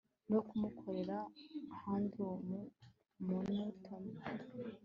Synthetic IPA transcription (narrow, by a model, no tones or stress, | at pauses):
nokumukʰo̞ɾe̞ɾaːhaːndiwomu | munotʰom